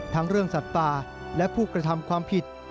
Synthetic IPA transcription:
t̪ʰa˦˥ŋɾɯ˥˩əŋsa˨˩t̪p̪aː˧ | lɛ˦˥pʰuː˥˩kɾa˧t̪ʰa˧mkʰwaː˧mpʰi˨˩t̪̚

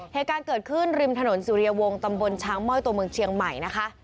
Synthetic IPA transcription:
heː˨˩t̪̚kaː˧nkɤː˨˩t̪̚kʰɯ˥˩nɾi˧mt̪ʰa˧no˩˦nsuː˩˦ɾi˧ɐ˧wo˧ŋt̪a˧mbo˧nt͡ɕʰaː˦˥ŋmɔ˥˩jt̪u˧ɐmɯ˧ŋt͡ɕʰi˧əŋma˨˩jna˦˥kʰa˦˥ʔ

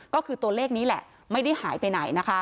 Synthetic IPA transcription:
kɔː˥˩kʰɯː˧t̪u˧ɐleː˥˩k̚niː˦˥lɛ̰˨˩ʔ | ma˥˩jda˥˩jhaː˩˦jpa˧jna˩˦jna˦˥kʰa˦˥

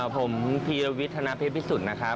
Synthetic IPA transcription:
pʰo˩˦mpʰiː˧ɾwi˦˥t̪ʰːa˧na˧pʰeː˦˥˩p̚ʰːiː˦˥su˨˩na˦˥kʰɾa˦˥

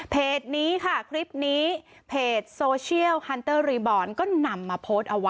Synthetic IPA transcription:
pʰeː˨˩t̪̚niː˦˥kʰa˥˩kʰɾi˦˥p̚niː˦˥ | pʰeː˨˩t̪̚soː˧t͡ɕʰi˥˩əwha˧nt̪ɤː˥˩ɾiː˧bɔː˧˩nkɔː˥˩na˧mːaː˧pʰoː˦˥st̪̚ʔa˧wa˦

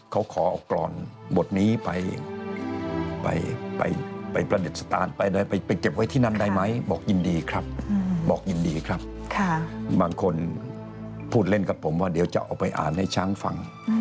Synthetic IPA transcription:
kʰa˦˥wkʰɔː˩˦ʔɔ̰ː˨˩wklɔ̰ː˧˩nbo˨˩t̪̚niː˦˥pa˧j | pa̰˧jpa̰˧jpa˧jpɾa˧de˨˩t̪̚sḁ˧t̪a̰ː˧npa˧jdaː˧˩jpa˧jpa˧jke˨˩p̚wa˦˥˩jt̪ʰiː˥˩na˥˩nda˥˩jma˦˥jbɔː˨˩k̚ji˧ndiː˧kʰɾa˦˥p̚ːbɔː˨˩k̚ji˧ndiː˧kʰɾa˦˥p̚kʰa˥˩baː˧ŋkʰo˧n | pʰuː˥˩t̪̚le˥˩nka˨˩pʰːo˩˦mwaː˥˩di˩˦wt͡ɕa̰˨ʔa̰ː˨˩wpa˧jʔa̰ː˨˩nha˥˩jt͡ɕʰaː˦˥˩ŋfa̰˧ŋ

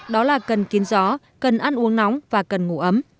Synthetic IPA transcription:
ɗɔ˨˦laː˨˩kə˨˩nki˨˦ənzɔ˨˦ | kə˨˩nʔaː˧nʔu˨˦əŋna˨˦wŋ͡mvaː˨˩kə˨˩nŋṵ˧˩ʔə˨˦m

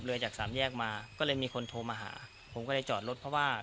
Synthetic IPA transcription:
p̚lɯ˧ɐt͡ɕaː˨˩k̚sa̰ː˩˦mjɛː˥˩k̚maː˧kɔː˥˩lɤː˧jmiː˧kʰo˧nt̪ʰoː˧maː˧ɦa̰ː˩˦ | pʰo˩˦mkɔː˥˩ɾa˥˩jt͡ɕɔː˨˩t̪̚lo˦˥t̪̚pʰɔ˧˥waː˥˩

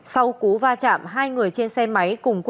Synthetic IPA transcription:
sa˧wku˨˦vaː˧t͡ɕa̰ː˧˨mɦaː˧jŋɨ˨˩əjt͡ɕe˧nsɛ˧ma˨˦jkʊ˨˩ŋ͡mk

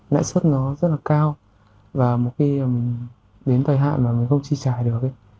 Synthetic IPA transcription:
la̰ː˧˨jswə˦˥t̚nɔ˨˦zə˦˥t̚laː˨˩kaː˧w | vaː˨˩mo˨˩t̚xi˧˨˩m˨˩ŋ̟ | ɗe˨˦nt̪ə˨˩jɦa̰ː˧˨maː˨˩mi˨˩ŋ̟xə˧wŋ͡mt͡ɕi˧t͡ɕaː˨˩jɗɨ˨˩ək̚ə˧˦j

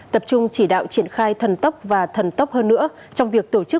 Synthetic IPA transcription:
t̪ə˨˩p̚t͡ɕʊ˧ŋ͡mt͡ɕi˧˩ɗa̰ː˧˨wt͡ɕi˧˩ənxaː˧jt̪ʰə˨˩nt̪ə˦˥k͡p̚vaː˨˩t̪ʰə˨˩nt̪ə˦˥k͡p̚həː˧nːɨ̰˧˥ə | t͡ɕɔ˧wŋ͡mvi˨˩ək̚t̪o˧˩t͡ɕɨ˦˥

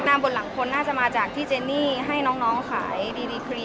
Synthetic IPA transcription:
naː˧mbo˧t̪̚la˩˦ŋkʰo˧nːaː˥˩t͡ɕa˨˩ʔmaː˧t͡ɕaː˨˩k̚t̪ʰiː˥˩t͡ɕeː˧nːiː˥˩ɦa˥˩jnɔː˦˥ŋnɔː˦˥ŋkʰa̰ː˩˦jdiː˧diː˧kʰɾi˧

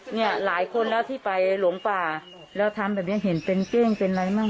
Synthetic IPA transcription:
ni˥˩ɐlaː˩˦jkʰo˧nlɛː˦˥wt̪ʰiː˥˩pa˧jlu˨˩˦ŋpaː˨˩ | lɛː˦˥wt̪ʰa˧mbɛː˨˩p̚ni˦˥˨ɦe˩˦npe˧nkɛː˥˩ŋpe˧nɾa˧jmaː˥˩

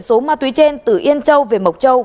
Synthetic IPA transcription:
so˨˦maː˧t̪wi˨˦t͡ɕe˧nt̪ɨ˧˩ʔi˧ənt͡ɕə˧wve˨˩mə˨˩wk͡p̚t͡ɕə˧w

